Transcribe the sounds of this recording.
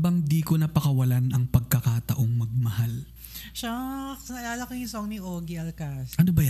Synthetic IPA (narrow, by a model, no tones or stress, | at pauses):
bɐŋd̪iːkonɐpɐkɐwɐlanɐŋpɐɡ̚kɐkat̪ɐʔo̞ŋmɐɡ̚mɐhal | ʃasɐlaːlɐkɐŋɪsoŋniʔoːɡiʔɐlkɐsɐnobɐj